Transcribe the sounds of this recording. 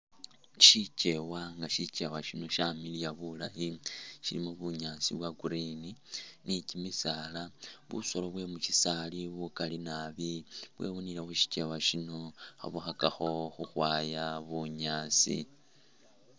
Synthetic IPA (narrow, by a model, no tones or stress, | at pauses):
ʃit͡ʃe̞waŋɡaʃit͡ʃe̞waʃino̞ʃamilijaβula̰hiʃilimuβuɲaːt͡siβwaɡuɾininicimisalaβṵso̞loβwe̞muʃisaliβukalinaβiβwe̞̰βunilexuʃi̥t͡ʃe̞waʃino̞xa̰βuxakaxo̞xuxwaːjaβuɲaːt͡sḭ